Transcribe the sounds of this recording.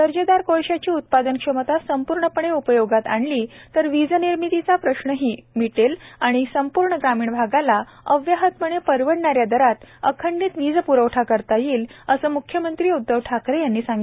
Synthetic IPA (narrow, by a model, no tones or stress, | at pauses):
d̪əɾd͡ʑəd̪aɾkoɭɕjat͡ɕiːut̪̚pad̪ənkʂəmət̪asəmpuɾɳəpəɳ̃eupəjoɡat̪a̰ɳliːt̪əɾʋid͡zəniɾmit̪it͡sapɾəɕɳəɦiːmiʈelaɽ̃isəmpuɾɳəɡɾamiːɳbʱaɡala | əʋjaɦət̪məɳ̃epəɾʋəɽɳaɾjad̪əɾat̪əkʰəɳɖiːt̪ʋid͡zpuɾəʋʈʰakəɾt̪ajiːləsəːmukʰːjəmənt̪ɾiːud̪ːəʋʈʰakɾejanːiːsãŋɡi